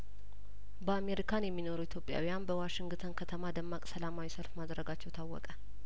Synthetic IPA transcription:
bəame̞ɾikʰanjɛmːino̞ɾuit̪ʰjo̞pʼja̰wijanbəwaʃɪŋɡt̪ʰənkʰət̪ʰəmad̪əmːakʼsəlamawisəlfmad̪ɾəɡat͡ʃːɛwt̪ʰawːɔ̰kʼə

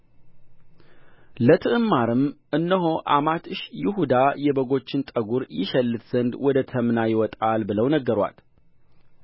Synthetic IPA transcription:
lət̪ʰɨʔɨmːaɾɨmʔɨnːəɦo̞ʔa̰mat̪ɨʃjɪɦud̪ajɛbəɡo̞t͡ʃːɪnt̪ʼəɡuɾjɪ̰ʃɛlːɨt̪z̥ənd̪wɔd̪ət̪ʰəmnajɪwɔt̪ʼalbɨləwnəɡːəɾwa̰l

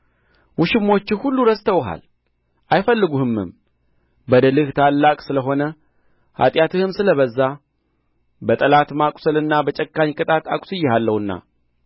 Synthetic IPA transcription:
wʊʃɪmːo̞t͡ʃːɪhulːuɾəst̪ʰəwɦa̰l | ʔajfəlːɨɡuhɨmːɨ̰m | bəd̪əlɨht̪ʰalːakʼsɨləɦo̞nə | ha̰t̪ʼjat̪ʰɨhɨmsɨləβəzːa | bət̪ʼəlat̪makʷʼʊ̥səlɨnːabət͡ʃʼəkːaɲkʼɨt̪ʼat̪akʼsɨjɛhalːəhɨnːa̰

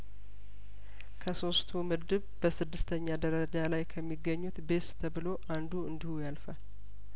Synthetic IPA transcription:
kʰəso̞st̪ʰumɨɾd̪ɨβb̥əsɨd̪ːɨst̪ʰəɲːad̪əɾəd͡ʒalajkʰəmːiɡːəɲːut̪be̞st̪ʰəβɨlo̞ʔand̪uɨnd̪ihujalfal

